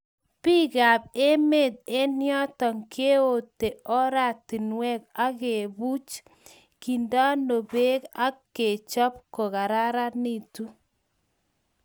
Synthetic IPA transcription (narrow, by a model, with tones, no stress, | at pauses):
pi˦ka˨p̚e˦me˨t̪̚e˦njɔ˦tɔ˨ŋke˦o˨te˨ɔ˦ɾa˨ti˨nwɛ˦k̚a˦ke˨bu˦t͡ʃ | ki˨nda˦no˨be˦ka˦kːe˨t͡ʃɔ˦p̚ko˨ka˨ɾa˦ɾa˦ni˦˨tu˦